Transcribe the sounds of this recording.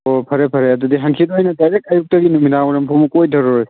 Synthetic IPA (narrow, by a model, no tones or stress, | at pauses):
opʰɐɾepʰɐɾejadudiɦɐŋkʰidoɦajnɐdajɾek̚ajuk̚tɐɡinuminawɾɐmpʰɔmukojdʱɐɾɔɾoj